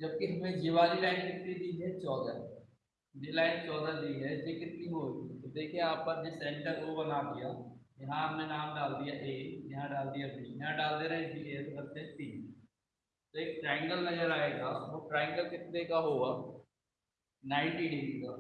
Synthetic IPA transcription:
d͡ʒɐb̚kiɦɐmẽd͡ʒiʋaːlilaːɪnkɪt̪nid̪iɦɛt͡ʃɔːd̪a | ɖilaːɪnt͡ʃɔːd̪ad̪iɦɛd͡ʒeːkɪt̪niɦoːɡit̪od̪eːkʰiẽaːpːɐɾɖɪsɛ̃ːɳʈəɾkobɐnad̪ɪjaːjɐɦãaːpnenaːmɖaːld̪ijaʔeːjɐɦãɖaːld̪ijabiːjɐɦãɖaːld̪eɾɐɦẽd͡ʒiet̪okɐɾt̪ẽʈiː | t̪oeːk̚ʈɾɛ̃ːɪ̃ŋɡəlnɐd͡ʒəɾaːeːɡaːʋoʈɾɛ̃ːŋɡəlkɪt̪nekaɦoːaː | nãːɪ̃ɳʈiːɖidikaː

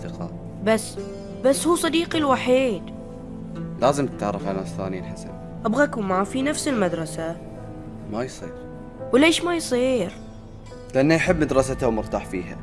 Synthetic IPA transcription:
θɪqɑ̰ː | basː | basːhuːsˤɑd̪iːqilwaħiːd̪ | laːzɪmt̪ɪt̪ʕaɾˤːɑfʕanaːsθa̰ːninħasa̰b | ʔabɣakumafinafsɪlmad̪ɾˤɑsa | majsˤiːɾ | wleːʃmajsˤiːɾ | lɪʔanːaʔaħɪbːmad̪ɾˤɑsat̪awmʊɾt̪aːħfiːha̰

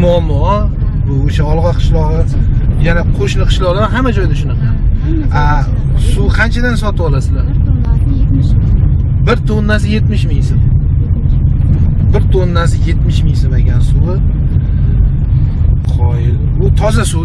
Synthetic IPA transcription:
mʊamːɒɒ | bʊoʃaɒlˠʁɒjqʰɨ̥ʃlˠɒʁɨjanaqʰoʃlɪqʰɨ̥ʃlˠɒʁlˠaɾaɦamad͡ʒɒjd̪aʃʊnɨqʰana | suqʰant͡ʃʰad̪ansɒt̪ʰɪbɒlasɪlaɾ | bɪɾt̪ʰonːasɪje̞t̪mɪʃmɪŋsɪm | bɪɾt̪ʰonːasɪje̞t̪mɪʃmɪŋsɪmeɡʲansuwɪ | qʰɒjɪl | ʊt̪ʰɒzasu

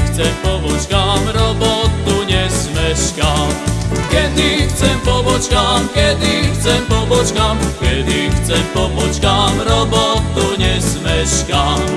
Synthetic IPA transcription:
xt͡sɛmpɔbɔt͡ʃkamɾɔbot̪ːuɲɛzmɛʃkamkɛd̪ixt͡sɛmpɔbɔt͡ʃkamkɛd̪ixt͡sɛmpɔbɔt͡ʃkamkɛd̪ixt͡sɛmpɔbɔt͡ʃkamɾɔbɔt̪uɲɛzmɛʃkam

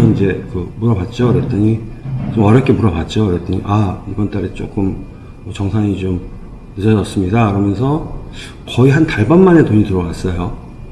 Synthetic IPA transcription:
ʌind͡ʑe̞kɯmuɾʌbat̚t͡ɕ͈oɯɾet͈ɯɲit͡ɕomwaɾʌk͈e̞muɾʌbat̚t͡ɕ͈oɯɾet͈ɯɲḭʔaibʌnt͈aɾet͡ɕ͈o̰k͈ɯm | mʌt͡ɕʌŋsʰaŋit͡ɕom | nɯʌd͡ʑʌs͈ɯmɲidakɯɾʌmjʌns̬ʰʌ | kʌiɦantaɭbanːane̞toɲitɯɾʌɡas͈ʌjo

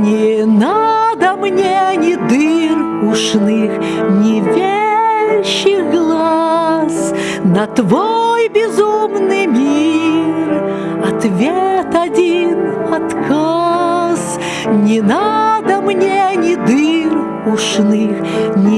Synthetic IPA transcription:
nʲɪnad̪əmnʲenʲɪd̪ɨr | ʊʂnɨx | nʲɪvʲe | ɕɪxɡlˠaas | nɐt̪vojbʲɪzumnɨjmʲi | r | ɐt̪vʲet̪ɐdʲin | ɐt̪kʰas | nʲɪnad̪əmnʲenʲɪd̪ɨr | ʊʂnɨxnʲ

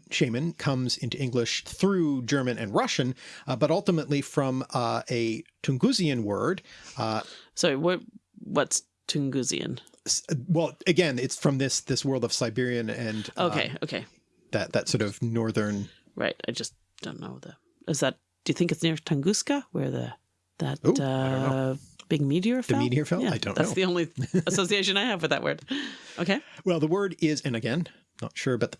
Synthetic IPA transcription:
ʃẽɪ̃mɨ̃nkʰʌ̃mzɪ̃ntʉɪ̃ŋɡlɪʃθɹʉd͡ʒɜ˞mɨ̃nɨ̰̃nɹʌʃɨ̃nbʌɾʌlˠtəmətˡlifɹʌ̃mɨtʰɨ̃ŋɡʉziɨ̃nwɜ˞d̥ | soʊwʌt̚ | wʌts | tʰɨ̃ŋɡʉzḭɨ̰̃n | swɛlˠɨɡɛ̃nɨtsfɹʌ̃mðɪsðɪswɜ˞lˠdʌv̥saɪbɪɹiɨ̃nɨ̃noʊkʰeɪo̰ʊkʰeɪ | ðɨt̪̚ðɨtsɔɹɾʌv̥ːɔɹðə̃˞n | ɹa̰ɪt̚a̰ɪd͡ʒʌs | d̥õʊ̃nːo̰ʊðɨ | ʔɨzðɨt̚ | d̥ɨjɨθɪ̃ŋkɨtsnɪɹtʰɨ̃ŋɡʉskɨwə˞ðɨ̰ | ðɨtʌ | b̥ɪɡ̚miɾiə˞fðɨɛmiɾiə˞fɛjæaɪdõʊ̃ðæsoʊðiõʊ̃nliəsoʊsieɪʃɨ̃naɪɨvwɨðɨ̰ʔwɜ̰˞d̥oʊkʰeɪwɛlˠðəwɜ˞ɾɪzɨ̃nɨɡɛ̃n | nə̰tʃʊɹbʌt̪̚ð

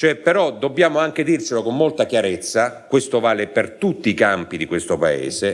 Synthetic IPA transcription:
t͡ʃoɛpːeɾɔd̪obːjaːmoaŋk̟ed̪irselokomːolt̪akjaɾet̪sːakwest̪ovaːlepert̪ut̪ːiːkampid̪ikwest̪opaḛːse

